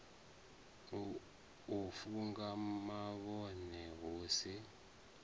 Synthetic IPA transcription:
ufuŋɡamaɓɔnɛɣoːsi

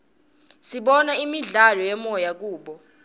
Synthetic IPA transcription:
siɓɔnaimiɮalɔjɛmɔjak̬uːɓɔ

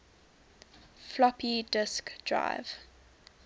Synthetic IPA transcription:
flɔpidɪskd̥ɹa̰ɪv̥

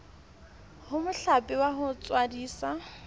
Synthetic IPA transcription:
hʊmʊɬapʼɪwaɦʊt͡sʼwadiːsa

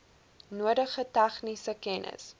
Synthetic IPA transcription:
nuədəχətæχnisəkɛnə̰s

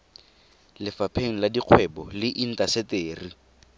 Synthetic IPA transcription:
lɪfapʰeŋ̩ladiq͡χʰwɛbɔlɪʔin̩tʼasɛteːri

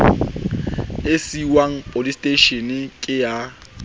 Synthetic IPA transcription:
esiwaŋ̩pʼolistʼeʃenkʼɪja

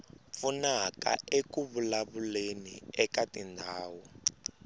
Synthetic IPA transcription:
p̪funaka̰ekuβulaβuleniɛkatindʱaːwu

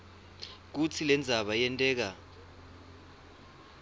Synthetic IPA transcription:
k̬ut͡sʰilɛnd͡zʱaɓajɛntʼɛːk̬a

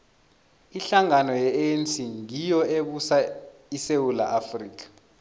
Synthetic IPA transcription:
iɬaŋanɔjɛensʼiŋijɔeɓusaisewula̰ʔafriːk̬ʼḁ

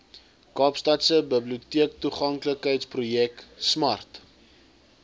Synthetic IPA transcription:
kɑːpstɐtsəbəbliutiək̚tuχɐŋkləkɦəjtsprujɛksmɐrt

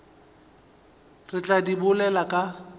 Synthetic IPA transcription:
rɪt͡ɬʼadibʊlɛlakʼa

